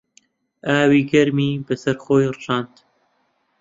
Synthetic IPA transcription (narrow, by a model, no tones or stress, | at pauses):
ʔaːwiːɡɐɾmiːbɐsɐɾxoːjrɨʒɑːnd̪